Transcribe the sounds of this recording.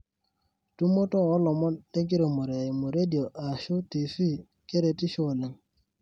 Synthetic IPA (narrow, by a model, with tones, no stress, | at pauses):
tu˦mo˦tɔ˦ɔ˦lɔ˨mɔ˦de˦ŋki˦ɾo˨mo˨ɾe˨i˨mo˨ɾe˦di˨o˨ʔa˨ʃo˦ti˨fi˦ | ke˦ɾe˨ti˦ʃo˨ne˨ŋ